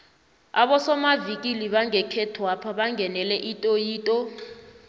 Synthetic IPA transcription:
aɓɔsɔmavikʼiliɓaŋɛkʰɛtʰɔwapʰaɓaŋɡʱɛnɛlɛʔitʼojiːtʼɔ

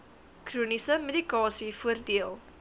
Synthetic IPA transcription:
kruənisəmedikɑːsifuərdiəlˠ

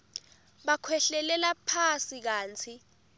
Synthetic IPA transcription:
ɓakʰwɛɬɛlɛlapʰasik̬aːnt͡sʰi

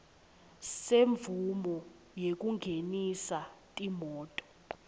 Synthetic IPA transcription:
seɱvumɔ | jek̬ʼuŋɡʱenisatʼimɔːtʼɔ̥

